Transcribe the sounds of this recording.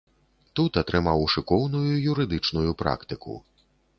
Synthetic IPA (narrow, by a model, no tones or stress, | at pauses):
t̪ut̪at̪ɾɨmawʂɨkɔwnujuijuɾɨd̪ɨt͡ʂnujupɾa̰kt̪ɨkṵ